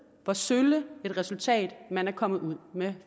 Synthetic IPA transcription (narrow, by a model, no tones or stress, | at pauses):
fɒ̽søləe̝d̥ʁɛsult͡sʰɛ̰ːd̥mænæɐkʰɒ̽m̰ð̩ˠuð̰ˠme